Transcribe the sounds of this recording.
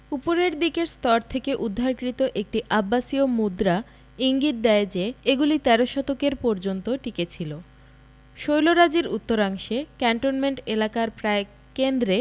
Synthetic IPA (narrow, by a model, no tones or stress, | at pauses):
upoɾeɾd̪ikeɾst̪ɔɾt̪ʰekeʔud̪ʱːaɾkɾit̪oʔek̚ʈiʔabːasiomud̪ɾa | iŋɡit̪̚d̪ɛed͡ʑeeɡulit̪ɛɾoʃɔt̪okeɾpɔɾd͡ʑont̪oʈiket͡ɕʰilo | ʃojloɾad͡ʑiɾṵt̪ːoɾaŋʃekɛɳʈonmeɳʈelakaɾpɾae | kend̪ɾe